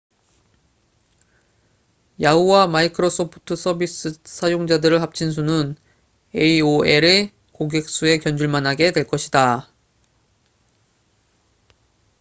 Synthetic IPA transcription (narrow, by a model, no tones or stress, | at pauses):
jauwamaikʰɯɾos͈ʰopʰu̥tʰɯs͈ʰʌbis͈ɯs͈ʰajoŋd͡ʑadɯɾɯɭɦap̚t͡ɕʰins̬ʰunɯn | eioeɾɯ | koɡek̚s͈ue̞kjʌnd͡ʑuɭmanɦaɡe̞dwe̞ɭk͈ʌɕʰida